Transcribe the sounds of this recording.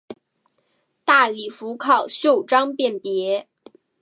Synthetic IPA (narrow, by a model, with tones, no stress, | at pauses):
t̪a˥˩li˨˩fu˧˥kʰɑ˥˩ʊɕjo˥˩ʊʈ͡ʂɑ˥ŋpjɛ˥˩npjɛ˧˥